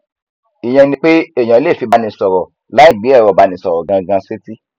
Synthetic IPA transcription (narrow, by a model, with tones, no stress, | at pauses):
i˨j̃ɛ̃˧nĩ˧k͡pe˦e˦˨j̃ã˨˦le˦˨fi˧ba˧nĩ˧sɔ˨ɾɔ˨ | la˨˦i˦˨ɡ͡bi˨˦ɛ˦˨ɾɔ˨ba˨˧nĩ˨sɔ˨ɾɔ˨ɡã˧ɡã˧se˦ti˦